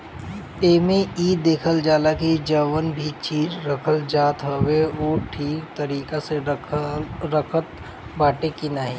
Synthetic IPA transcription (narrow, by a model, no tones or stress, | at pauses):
eːmẽiːd̪eːkʰəld͡ʒaːlakid͡ʒəʋənbʱit͡ʃiːd͡ʒɾɐkʰəld͡ʒaːt̪ɦoʋeʋoːʈʰiːkt̪ɐɾiːkase | ɾəkʰət̪̚ | baːʈekinaːɦiː